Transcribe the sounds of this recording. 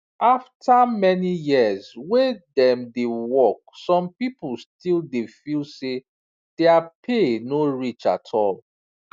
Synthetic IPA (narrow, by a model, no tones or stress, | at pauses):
ʔaftʰamɛnijiəzwedɛ̃mdewɔksɔ̃mpipəl̩stildefilse | d̥ɛapʰenoɹit͡ʃa̰tʰɔl